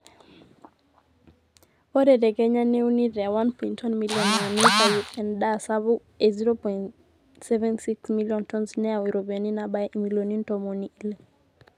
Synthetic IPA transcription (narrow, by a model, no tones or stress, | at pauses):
wɔɾɛdɛɡɛɲaneuniɾɛawanpɔintʰɔnmiljɔnaanikajuɛndasaβu | eziɾopɔin | sɛvɛnsiksmiljɔntɔnsnɛawiɾobiɔninabaʔimilonintɔmoniile